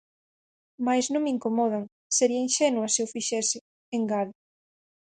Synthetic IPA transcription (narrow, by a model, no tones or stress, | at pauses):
majznõŋmiŋkomɔð̞aŋ | seɾiɐinʃɛnwɐseufiʃɛsɪ | eŋɡað